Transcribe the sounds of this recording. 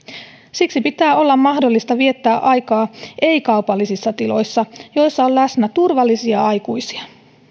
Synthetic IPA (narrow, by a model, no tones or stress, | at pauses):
siksipit̪æːo̞lːɑmmɑhdolːist̪ɑʋie̞t̪ːæːʔɑjkɑːʔe̞ikɑupɑlːisisːɑt̪ilo̞̰jsːɑjo̞jsːɑollæsnæt̪urʋɑlːisiɑɑjkujsi̥ɑ